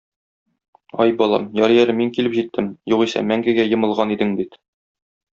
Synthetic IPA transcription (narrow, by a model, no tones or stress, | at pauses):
ɒjbɒlˠɑ̰mjɒɾjæɾɘmiŋkilɘpʑit̪ʰːɘmjuʁisæ̰mæŋɡɘ̆ɡæjɤ̆mɤ̆lˠʁɑnid̪ɘŋbit̪